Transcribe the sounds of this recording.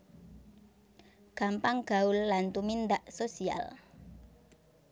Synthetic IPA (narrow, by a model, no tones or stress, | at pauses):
ɡ̥ampaŋɡ̥aʊlːant̪umind̪aʔsosia̰l